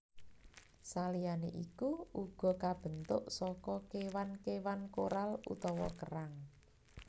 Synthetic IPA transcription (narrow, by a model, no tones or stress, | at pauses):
salijaneʔikuuɡ̥ɔ̤kab̥ə̤nt̪ʊʔsɔkɔkewankewankoɾalṵt̪ɔwɔkəɾaŋ